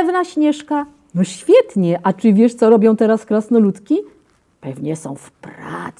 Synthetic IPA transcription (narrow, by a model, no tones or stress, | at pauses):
vnaɕɲɛʂka | nɔɕfʲjɛt̪ɲɛʔat͡ʂɨvʲjɛʂt̪sɔɾɔbʲjɔ̃w̃t̪ɛɾaskɾasnɔlut̪kʲi | pɛvɲɛsɔ̃w̃fpɾa̰t̪s